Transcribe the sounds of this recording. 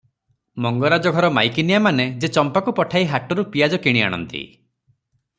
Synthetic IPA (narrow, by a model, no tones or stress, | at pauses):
mɔŋɡɔɾad͡ʒɔɡʱɔɾɔmajkinijamaned͡ʒet͡ʃɔmpakupɔʈʰaiɦaʈɔɾupijad͡ʒɔkiɽ̃ia̰ɽ̃ɔ̰nt̪ḭ